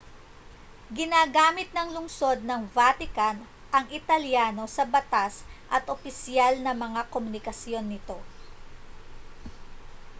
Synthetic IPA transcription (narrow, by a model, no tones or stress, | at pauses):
ɡɪnaːɡaːmɪt̪̚nɐŋlʊŋso̞d̪̚nɐŋvaːt̪ɪkɐn | ʔɐŋʔɪt̪ɐljaːno̞sɐbɐt̪asʔɐt̪ʔopɪsjalnɐmɐŋakomʊnɪkɐsjo̞nːɪt̪o̞